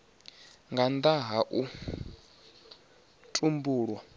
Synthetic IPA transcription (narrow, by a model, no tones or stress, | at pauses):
ŋɡand̪aɦaʔu | tʼumbuːɺwa